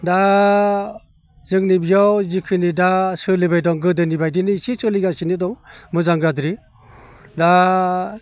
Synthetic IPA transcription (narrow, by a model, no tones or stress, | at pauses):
da | zɯŋnibijawzikʰɯnidasɯlibajdɔŋɡɯdɯnibajdinisisɯliɡasinidɔŋmɯzaŋɡɾadɾi | da